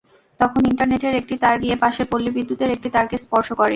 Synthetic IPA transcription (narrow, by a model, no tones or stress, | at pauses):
t̪ɔkʰoniɳʈaɾneʈeɾek̚ʈit̪aɾɡijepaʃeɾpolːibid̪ʱːut̪eɾek̚ʈit̪aɾkespɔɾʃokɔɾe